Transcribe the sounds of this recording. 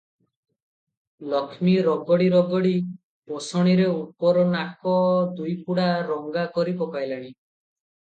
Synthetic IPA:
lɔkʰmiɾɔɡɔɽiɾɔɡɔɽi | pɔsɔɽ̃iɾeupɔɾɔnakɔd̪ujpuɽaɾɔŋɡakɔɾipɔkajlaɽ̃i

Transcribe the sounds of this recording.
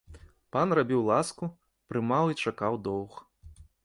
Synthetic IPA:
panrabʲiwlˠasku | pɾɨmawit͡ʂakawd̪ɔwx

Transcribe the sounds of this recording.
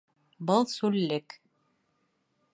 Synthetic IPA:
bɤlˠsʉlːɘk

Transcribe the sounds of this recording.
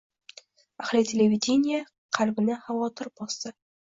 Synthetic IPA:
ahlɪt̪ʲʰelʲevʲid̪ʲenʲija | qʰalbɪnɪχavɒt̪ʰɨɾbɒsə

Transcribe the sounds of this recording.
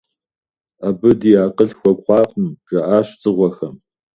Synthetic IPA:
abɨdijaːqəɬxʷɔkʷʼχʷɑːqʼəmʒɐʔaːɕt͡sʼɨʁʷɔxɐm

